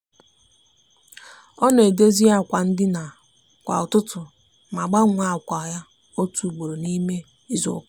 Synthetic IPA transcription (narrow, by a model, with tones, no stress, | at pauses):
ɔ˦nɔ˨e˨de˦zi˦a˨kʷa˨n̩˦dɪ˦na˨ | kʷa̰˨ʊ˨tʊ˦tʊ˨ | ma˨ɡ͡ba˦ŋʷa˨kʷa˨ja˦ | o˦tu˨ɡ͡bo˨ɾo˨ni˦me˦ | i˦zo̰˨k